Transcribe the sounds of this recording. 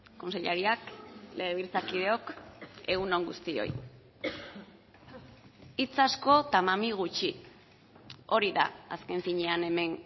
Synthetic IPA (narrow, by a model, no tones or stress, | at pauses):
ko̞nseʎaɾiakle̞ɣeβiɾt͡sakið̞e̞o̞ke̞ɣuno̞ŋɡust̪io̞̰j | it͡sasko̞t̪amamiɣ̞ut͡ʃi | o̞ɾiða̰aske̞ɱfiɲe̞ane̞me̞n